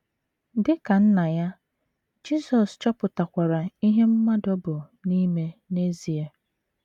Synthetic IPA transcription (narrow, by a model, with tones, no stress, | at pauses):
dɪ˦ka˨n̩˦na˨ja˦ | d͡ʒi˦sɔ˨st͡ʃɔ˦pʊ˨ta˨kʷa˨ɾa˨i˦ɦe˦m̩˦ma˦dɔ˦bʊ˨ | ni˦me˦ne˦zi˨e˨